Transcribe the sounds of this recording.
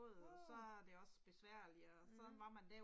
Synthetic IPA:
ð̩̰ˠɒ̽sɒ̽æɐd̥e̝ɒ̽sb̥e̝sʋæɐ̰liːsɒ̥̽nʋɑ̈mænd̥æɐ

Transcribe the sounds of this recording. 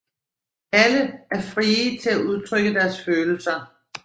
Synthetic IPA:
æləæɐfʁiːt͡sʰe̝læʔuð̞ˠt͡sʰʁœɡ̥əd̥æɐsføːl̩sɐ

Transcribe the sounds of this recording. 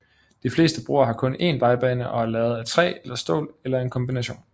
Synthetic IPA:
d̥ifle̝̰ːsd̥əb̥ʁo̰ːɐɦɑ̈kʰɔ̽ne̝ːnʋɑ̈ɪb̥ɛːnəʔɒ̽æɐlɛːʊð̞̩ˠæt͡sʰʁɛ̰ːelɐsd̥o̰ːlelɐe̝nkʰɒ̽mb̥inæɕo̝̰ːn

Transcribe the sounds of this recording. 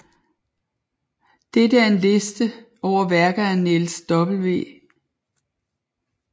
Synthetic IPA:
d̥edəæɐe̝nle̝sd̥ə | ɒʊ̰ɐʋæɐɡ̥ð̩ˠæne̝lsd̥ɒ̽b̥l̩ʋe̝̰ː

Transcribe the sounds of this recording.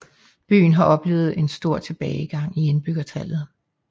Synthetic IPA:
b̥y̰ːn̩ɦɑ̈ʔɒ̽b̥le̝ːʊð̞̩ˠe̝nsd̥o̝ɐ̰t͡sʰe̝b̥ɛːɪɡ̥ɑ̈ŋ̰ie̝nb̥yɡ̥ɐt͡sʰælð̩ˠ

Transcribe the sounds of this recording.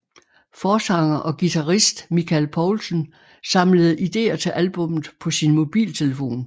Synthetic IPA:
fɒːsɑ̈ŋ̰ɐʔɒ̽ɡ̥it͡sʰɑʁisd̥mikʰælpʰɒʊlsən | sɑ̈mləð̞̩ˠʔid̥e̝̰ːɐt͡sʰe̝ʔælb̥ɔ̽mð̩ˠpʰɒ̽sinmo̝b̥ḭːlt͡sʰe̝ləfo̝̰ːn

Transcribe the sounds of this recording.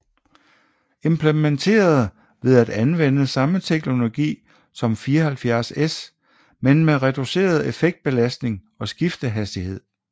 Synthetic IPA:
e̝mpʰlement͡sʰe̝̰ːɐð̞̩ˠ | ʋe̝ðˠæd̥ænʋen̰əsɑ̈mət͡sʰeɡ̥no̝lo̝ɡ̥ḭː | sɒ̽mfiːɐhælfjæɐses | menmeʁɛd̥use̝̰ːɐð̞ˠe̝feɡ̥̚d̥̚b̥e̝læsd̥ne̝ŋ | ɒ̽sɡ̥ifd̥əɦæsd̥ihe̝ð̰ˠ

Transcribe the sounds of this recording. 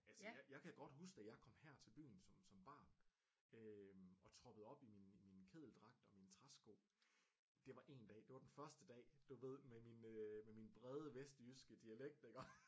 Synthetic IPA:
ælsjaɪjɑ̈ɪkʰæɡ̥ɒ̽d̥ɦusɡ̥d̥æjɑ̈ɪkʰɒ̽m̰hæɐ̰t͡sʰe̝lb̥y̰ːn̩sɒ̽msɒ̽mb̥ɑ̰̈ːn | øɒ̽t͡sʰʁɒ̽b̥əð̩ˠɒ̽b̥iminminkʰe̝ðˠl̩d̥ʁɑ̈ɡ̥̚d̥ɒ̽mint͡sʰʁasɡ̥o̝̰ː | d̥e̝ʋɑ̈ʔe̝nd̥ɛ̰ːd̥e̝ʋɑ̈d̥enfɶɐsd̥əd̥ɛ̰ːd̥uʋe̝ð̞̰ˠmeminømeminb̥ʁɛð̞ˠəʋesd̥jysɡ̥əd̥iæleɡ̥̚d̥eɡ̥ɐ

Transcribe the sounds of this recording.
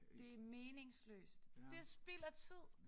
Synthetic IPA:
d̥e̝æmeːne̝ŋslø̰ːsd̥d̥e̝sb̥el̰ɐt͡sʰið̞̰ˠ

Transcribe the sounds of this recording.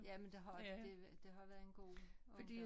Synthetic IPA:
jæmend̥e̝ɦɑd̥e̝d̥e̝ɦɑ̈ʋæɐe̝nɡ̥o̝̰ː | fɒd̥ḭ

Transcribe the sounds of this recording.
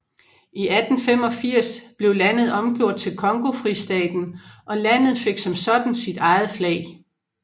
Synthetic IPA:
iʔæd̥n̩fem̰ɒ̽fiɐ̰sb̥le̝ʊlæn̰ð̞̩ˠɒ̽mɡ̥jo̝ɐ̰d̥̚t͡sʰe̝lkʰɒ̽ŋɡ̥o̝fʁisd̥ɛ̰ːd̥n̩ʔɒ̽læn̰ð̩ˠfe̝ɡ̥sɒ̽msɒ̽d̥n̩sid̥ɑ̈ɪð̞̩ˠflɛ̰ːɪ

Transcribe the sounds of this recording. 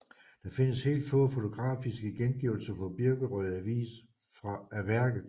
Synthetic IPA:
d̥ɑ̈fe̝nəshe̝̰ːld̥fɔːfo̝t͡sʰo̝ɡ̥ʁɑ̰̈ːfisɡ̥əɡ̥enɡ̥iʊl̩sɐpʰɒ̽b̥iɐɡ̥əʁœð̩ˠæʋḭːs | fʁɑæʋæɐɡ̥ð̩ˠ

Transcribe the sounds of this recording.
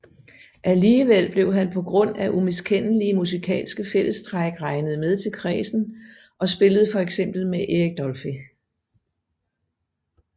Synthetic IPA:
ʔæliːʋel̰b̥le̝ʊɦænpʰɒ̽ɡ̥ʁɔ̽n̰æʔumeskʰen̰əliəmusikʰɛ̰ːlsɡ̥əfel̰əsd̥ʁaɡ̥ʁɑ̈ɪnəð̩ˠmeð̞ˠt͡sʰe̝lkʰʁɛ̰ːsn̩ | ʔɒ̽sb̥e̝ləð̞̩ˠfɒ̽eɡ̥sem̰b̥l̩meʔeeɡ̥̚d̥ɒlfi

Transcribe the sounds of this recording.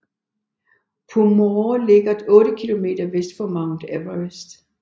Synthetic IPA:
pʰumole̝ɡ̥ɐd̥ɔ̽ːɾəkʰilo̝me̝̰ːd̥ɐʋesd̥fɒmɑ̈ʊnd̥æʋɐesd̥

